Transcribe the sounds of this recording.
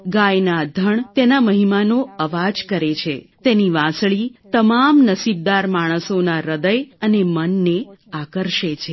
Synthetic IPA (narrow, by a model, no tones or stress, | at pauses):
ɡajnad̪ʱəɳt̪enaməɦimanoəʋad͡ʒkəɾet͡ʃʰet̪eniʋãsɭit̪əmamnəsib̚d̪aɾmaɽ̃əsonaɾəd̪əjənemənːeakəɾʃet͡ʃʰe